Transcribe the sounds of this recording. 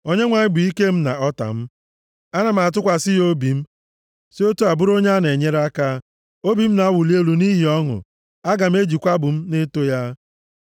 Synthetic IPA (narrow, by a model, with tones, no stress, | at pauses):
o˦ɲe˦ŋʷa˨ɲɪ˦ɡ͡bi˨i˦ke˦m̩˦na̰˨ɔ˦ta̰˨m̩˦ | a˦na˨m̩˦˨a˨t̬ʊ˦kʷa˨sɪ˦jo˦bi˨m̩˦ | si˦o˦tu˦a˨bʊ˦ɾo˦ɲa˦a˦n˨e˨ɲe˦ɾa˦ka˦ | o˦bi˨m̩˦na˨a˦wʊ˨li˦e˦lu˨ni˦ɦi˨ɔ˦ŋʊ̰˨ | a˦ɡa˨m̩˦e˦d͡ʒi˨kʷa˦bʊ˨m̩˦ne˦to˦ja˦